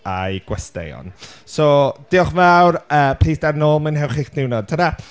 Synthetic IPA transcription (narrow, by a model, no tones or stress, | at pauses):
a̰jɡ̥wɛstɛ̰jɔ̰nsɔd̥ɪɔχmawrəːpʰiːθdarnoːlˠmənhɛwχɪknɪwnɔd̚tʰəna